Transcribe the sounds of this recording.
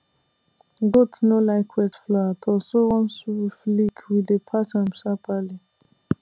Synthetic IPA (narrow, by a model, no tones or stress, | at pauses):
ɡotnolaɪkʰwɛtflɔtʰɔsowɔ̃nsuflikʰwidepʰat͡ʃãmsapʰali